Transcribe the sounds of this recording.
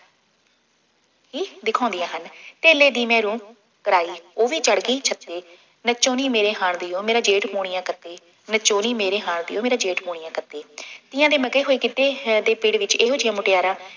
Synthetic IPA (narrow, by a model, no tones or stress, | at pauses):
ɦiːd̪ɪkʰãːnd̪ɪjãːɦənt̪eːleːd̪iːmɛ̃ːɾũː | kəɾaːiːoːʋiːt͡ʃəɽkiːt͡ʃʰət̪eː | nət͡ʃoːniːmeːɾeːɦaːɳd̪iːoːmeːɾãːd͡ʒeːʈmoːɽ̃ɪjãːkət̪eː | nət͡ʃoːniːmeːɾeːɦaːɳd̪ɪ̰joːmeːɾaːd͡ʒeːʈpoːɽ̃ɪjãːkət̪eːt̪ɪjãːd̪eːməkeːɦoːiːkiːt̪eːd̪eːpɪɽʋɪt͡ʃeːɦoːd͡ʒɪjãːmʊʈɪjaːɾãː